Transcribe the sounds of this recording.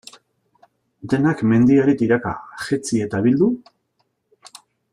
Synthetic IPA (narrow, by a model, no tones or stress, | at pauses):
d̪e̞nakme̞nd̪iaɾit̪iɾaka̰xet͡sie̞t̪aβild̪u